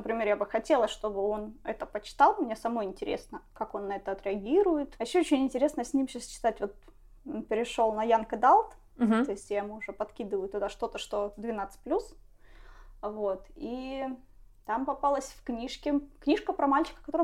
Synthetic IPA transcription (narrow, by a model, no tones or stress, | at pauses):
nəpɾʲɪmʲeɾjabɨxɐtʲe̞lˠəʂt̪o̞bɨo̞nɛ̰t̪əpət͡ɕɪ̥t̪ɑlˠmɪnʲesɐmo̞jɪnʲtʲɪɾʲesnəkako̞nːɐɛt̪əɐt̪ɾʲɪɐɡʲiɾʊjɪt̪ɐjɪɕːoot͡ɕɪnʲɪnʲtʲɪɾʲe̞snəsʲnʲimɕast͡ɕɪ̥t̪atʲvo̞t̪̚ | npʲɪɾʲɪʂo̞lˠnɐjankəd̪alˠt̪ | o̞ɪsʲtʲjaɪmuʊʐɛpɐt̪kʲid̪ɨvəjʊt̪ːʊd̪aʂt̪o̞t̪əʂt̪o̞d̪vʲɪnat̪sɨ̥t̚ʲplʲus | vo̞t̪i | t̪ampɐpalˠəsʲfknʲiʂkʲɪknʲiʂkəpɾɐmalʲt͡ɕɪ̥kə̥kɐt̪o̞ɾ